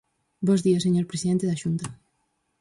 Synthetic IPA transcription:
bɔzðiɐseɲoɾpɾesiðẽnt̪eðaʃunt̪a

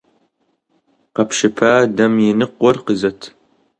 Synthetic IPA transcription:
qɐpʃɪpʰaːdɐmjɪnɨqʷɔrqəzɐtʰ

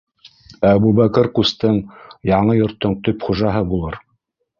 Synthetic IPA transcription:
æbubækɘɾqust̪ɤɴjɑɴɤjŏɾt̪ːoɴt̪ɵpχuʒɑɦɤbulˠɤɾ

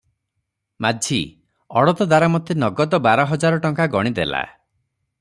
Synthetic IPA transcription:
mad͡ʒʱi | ɔɽɔt̪ɔd̪aɾamɔt̪ʰːenɔɡɔd̪ɔbaɾɔɦɔd͡ʒaɾɔʈɔŋkaɡɔɽ̃id̪ela̰

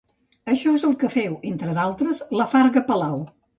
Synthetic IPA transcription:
əʃɔezəlˠkəfɛwent̪ɾəðalˠt̪ɾəzləfaɾɣəpəlaw

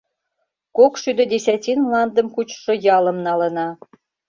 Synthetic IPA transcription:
kokʃyd̪ə̆d̪ʲesʲæt̪ʲinmlɑnd̪ə̆mkut͡ɕʃŏjɑlə̆mnɑlə̆nɑ

